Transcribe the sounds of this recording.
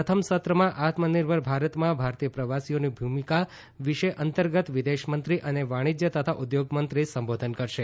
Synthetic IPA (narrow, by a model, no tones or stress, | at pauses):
ət̪ʰəmsət̪ɾəmãʔat̪məniɾbʱəɾbʱaɾət̪mãbʱaɾt̪ijəpɾəʋasionibʱumika | ʋiʃeʔənt̪əɾɡət̪ʋid̪eʃmənt̪ɾiʔəneʋaɽ̃id͡ʒjət̪ət̪ʰaʔud̪joɡmənt̪ɾisəmbod̪ʱənkəɾʃe